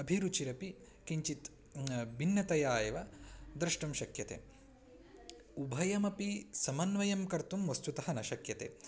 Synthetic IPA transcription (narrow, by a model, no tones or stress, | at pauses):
ɐbʱiɾut͡ʃiɾɐpi | kiɲt͡ʃit̪ | binːjɐt̪ɐjaːjɐʋɐd̪ɾɨʂʈɐmʃɐkjɐt̪ḛː | ubʱɐjɐmɐpisɐmɐnʋɐjɐmkɐɾt̪umʋɐst̪ut̪ɐɦɐnɐʃɐkjɐt̪ḛː